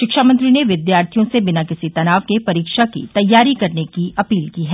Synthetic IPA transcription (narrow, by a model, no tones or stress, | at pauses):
ʃɪkʃamɐ̃nt̪ɾineʋɪd̪jaːɾt̪ʰijõsebɪnakɪsit̪ɐnaːʋkepɐɾiːkʃakḭt̪ɐjːaːɾikɐɾnekiʔɐpiːlkiːɦɛː